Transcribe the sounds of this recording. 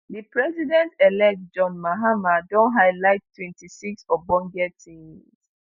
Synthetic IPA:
ðipɹɛzidɛ̃ntɛlɛk̚t̚d͡ʒɔ̃nmaɦamadɔ̃nɦaɪlaɪttʰːwɛ̃ntʰisiksɔbɔ̃ŋɡɛtʰĩŋs

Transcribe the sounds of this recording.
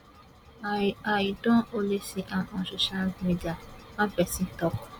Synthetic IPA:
aidɔ̃olesiʔaʔɔ̃soʃalmidiamãpɛsĩtɔkɔ

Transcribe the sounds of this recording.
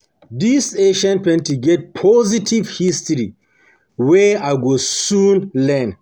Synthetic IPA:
diseʃãnpɛ̃ntiɡɛt̚pʰɔzitʰivhistɹi | wɛaɪɡosũnlɛn

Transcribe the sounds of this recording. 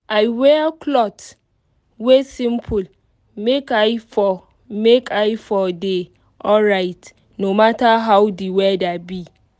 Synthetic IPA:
aɪwɛkʰlɔt | wesĩmpʰul | mekajfɔ | mekʰaɪfɔde | ʔɔɹaɪt | nomataɦawdiwɛdabi

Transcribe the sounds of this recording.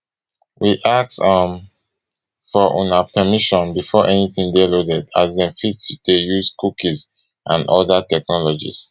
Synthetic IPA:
wiʔak̚tʌ̃m | fɔʔɔ̰̃napʰɛmiʃɔ̃nbifɔʔɛniθĩŋdelodɛda̰zdɛ̃mfitudejuzkukiz | ʔã̰nɔdatɛk̚nɔlɔd͡ʒḭs

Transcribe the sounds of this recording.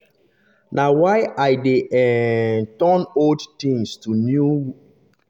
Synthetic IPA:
nawaɪajdeʔɛtɔnoldtĩŋstunjuw

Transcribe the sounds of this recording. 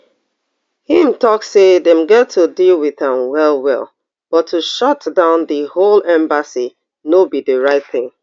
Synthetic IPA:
hĩmtʰɔkseðɛ̃mɡɛtʰːudilˠwiðə̃mwɛlˠwɛ̰lˠ | b̥ʌtʰːuʃɔtdãʊ̃nðəholɛ̃mbasi | nobiðəɹaɪt̪̚θɪ̃ŋ

